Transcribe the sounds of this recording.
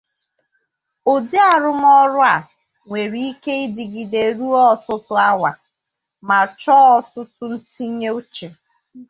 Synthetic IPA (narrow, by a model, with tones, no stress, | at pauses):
o˨di˦a˨ɾʊ˦m˦ɔ˦ɾʊ˦a˨ | ŋʷe˨ɾi˦i˦ke˦ɪ˦dɪ˨ɡɪ˨de˨ɾu˦ɔ˦˨tʊ˦tʊ˦a˦wa˨ | ma˨t͡ʃɔ˦ɔ˦tʊ˦tʊ˦n̩˦ti˦ɲe˦o˦t͡ʃe˨